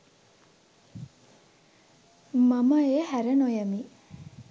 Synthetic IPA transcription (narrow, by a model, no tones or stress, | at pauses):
mɐmɐeːhæɾɐnojɐmi